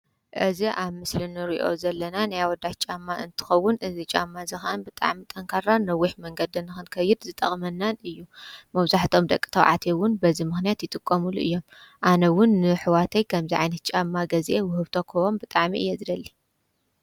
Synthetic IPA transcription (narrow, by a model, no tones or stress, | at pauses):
ʔɨziʔaβmɨslɨnɨɾḭʔo̞̰zɐlːɐnanajawɔd̪ːat͡ʃʼamːaʔɨnt̪ʰɨ̥xɐwːʊnʔɨzit͡ʃʼa̰mːazɨxɐʔɐnbɨt̪ʼa̰ʕmit̪ʼɐŋkʰaɾanɐwːiħmɐŋɡɐd̪ɨnːɨxɨnkʰɐjɪd̪zɨt̪ʼɐχʼmɐnːanɨjːumɐβzaħt̪ʰo̞md̪ɐkʼːi̥t̪ʰɐwʕa̰t̪ʰewʊnbɐzimɨxnijat̪jɪt̪ʼɨkʼːɐmuluʔɨjːo̞mʔanɐwʊnːɨħɨwat̪ʰɐjkʰɐmziʕajnɐt̪̚t͡ʃʼamːaɡɐzʔewʊhɨβt̪ʰo̞kʰɐwombɨt̪ʼaʕmiʔɨ̰jːezɨd̪ɐlːi